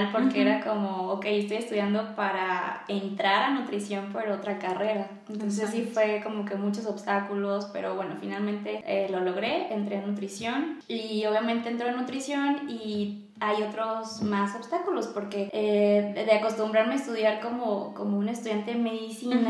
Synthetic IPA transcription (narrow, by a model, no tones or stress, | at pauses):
lpo̞ɾkeeɾako̞moːke̞jest̪ojest̪uðjand̪opaɾaent̪ɾaɾanut̪ɾisjo̞mpo̞ɾo̞t̪ɾakare̞ɾa | ent̪o̞ns̬esifwe̞ko̞mo̞ke̞mut͡ʃo̞so̞βst̪akulo̞spe̞̰ɾo̞βwe̞no̞̰finalmẽ̞nt̪e̞elo̞lo̞ɣ̞ɾe̞ent̪ɾe̞anut̪ɾisjo̞nio̞β̞jament̪eːnt̪ɾo̞anut̪ɾisjo̞ni | ajo̞t̪ɾo̞zmaso̞βst̪akulo̞spo̞ɾke̞eðeako̞st̪umbɾaɾmeaest̪uðjaɾko̞mokomo̞une̞st̪uðjant̪e̞me̞ðisina